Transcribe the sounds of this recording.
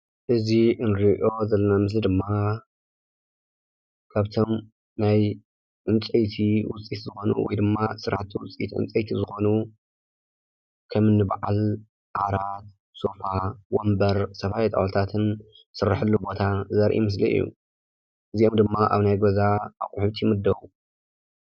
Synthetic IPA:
ʔɨziʔɨnɾiʔo̞zɐlːɐnamɨs̬lid̪ɨmːa | kʰaβt̪ʰo̞m | naj | ʔɨnt͡sʼejt̪ʰiwʊt͡sʼit̪zɨxo̞nṵwɔ̰jd̪ɨmːasɨɾaħt̪ʰiwʊt͡sʼḭt̪ʔɨ̰nt͡sʼɐjt̪ʰizɨxo̞nu | kʰɐmɨnːɨbʕa̰l | ʔaɾat̪̚ | so̞fawombɐɾsɐfajt̪ʼɐ̰wt̪ʰat̪ʰɨn | sɨrːɨħɨlːubo̞t̪ʰazɐɾʔḭmɨs̬lḭʔɨ̰jːṵ | ʔɨziʔomd̪ɨmːaʔa̰βnajɡozaakʼʊħɨβt̪ʰimɨd̪ːɐβu

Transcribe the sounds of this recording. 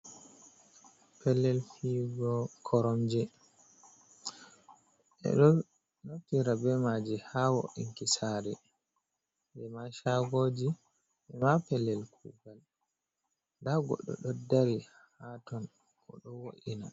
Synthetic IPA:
pɛlːɛlfiɡɔkʰɔɾɔmd͡ʒɛ | ɛ̰ | noftiɾabɛmad͡ʒihawɔ̰ʔiŋkisaɾɛ | dɛmaʃaɡod͡ʒi | ʔɛmapɛlːɛlkʰṵːɡal | daɡɔ̰ɗɔ̰ɗɔdaɾi | hatɔn | kʰɔ̰ɗɔwoʔina

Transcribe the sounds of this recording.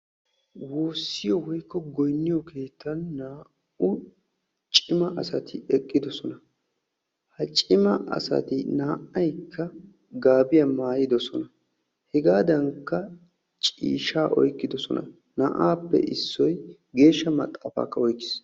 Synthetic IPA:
woːsːɪjɔwɔjkːɔɡɔjnːɪjɔkʰe̞ːt̪ʰːɐnːaː | ʊ | t͡ʃʼɪmɐʔɐsɐt̪ʰɪɛkʼːɪd̪ɔsɔnɐ | hɐt͡ʃʼɪmɐʔɐ̰sɐ̰t̪ɪnaːʔɐjkʰːɐ | ɡaːbɪjɐmaːjɪd̪ɔsɔnɐ | hɛɡaːd̪ɐŋkːɐ | t͡ʃʼḭːʃaːʔɔ̰jkːɪd̪ɔsɔnɐ̰ | naːʔaːpːɛ̰ʔɪsːɔj | ɡe̞ːʃːɐmɐt̪ʼːɐfa̰ːkːɐɔjkːɪ̥s

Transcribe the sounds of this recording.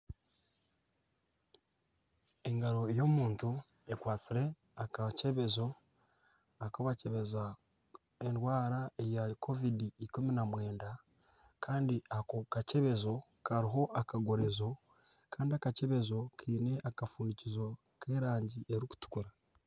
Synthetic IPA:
e̞ŋɡaɾo̞ejo̞muːntu | ekwaːt͡siɾe̞ | akace̞βe̞zo̞ | akoβaceβe̞za | enɾwaːɾaejakʰo̞vidiikuminamwe̞ːnda | kʰaːndiʔakokace̞βe̞zo̞kaɾiɦo̞ʔakaɡo̞ɾe̞zo̞ | kaːndiakace̞βe̞zo̞kʰiːne̞ʔakafuːndicizo̞ | kʰeːɾaːɲɟiʔeɾiku̥tu̥kuɾa

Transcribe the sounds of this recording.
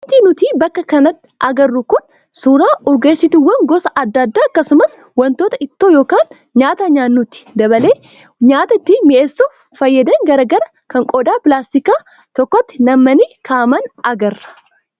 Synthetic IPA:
t̪iːnʊt̪iːbɐkːɐkɐnɐt̪ːɪ̥ʔɐɡɐrːʊkʊn | suːɾaːʔɔɡeːsːɪt̪ɪwːɐŋɡɔsɐʔɐd̪ːɐd̪ːaːɐkːɐsʊmɐs | wɐnt̪oːt̪ɐɪt̪ːoːjo̞ːkaːn | ɲaːt̪ɐɲaːnːʊt̪ɪ̥d̪ɐβɐle̞ː | ɲaːt̪ɐɪt̪ːimɪʔesːo | fɐjːɐd̪ɐŋɡɐɾɐɡɐɾɐ | kɐŋkʼɔd̪aːpɪlaːst̪ɪkaː | t̪ɔkːɔt̪ːɪnɐmːɐniːkʰaːmɐnɐɡɐrːɐ̥

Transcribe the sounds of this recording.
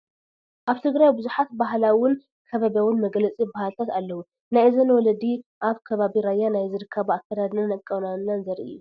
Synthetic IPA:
ʔaβt̪ʰɨɡɾajbɨzuħat̪baɦlawɪn | kʰɐβaβjawɪnmɐɡlɐt͡sʼibahalt̪ʰat̪alːɐwu | najzɐnwɔlɐd̪iʔaβkʰɐβaβiɾajanajzɨɾɨkʰːɐβuakʰːɐd̪ad̪nɐnɐkʼːɐwnanːanzɐɾiɨ̰jːu

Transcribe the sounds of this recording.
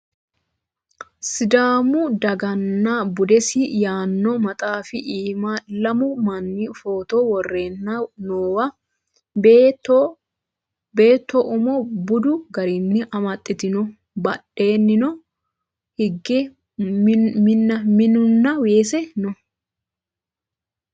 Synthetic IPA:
sɪd̪aːmʊd̪ɐɡɐnːɐbʊd̪ɛsɪjaːnːɔmɐt̪ʼaːfɪʔiːmalɐmʊmɐnːifoːt̪ɔwɔrːeːnːɐnoːwɐ | t̪ | be̞ːt̪ːɔʔʊmɔbʊd̪ʊɡɐɾɪnːɪʔɐmɐt̪ʼːɪt̪ɪnɔ | bɐɗe̞ːnːɪnɔ | hɪɡːɛ | mɪnːɐmɪnʊnːɐweːsɛnɔ

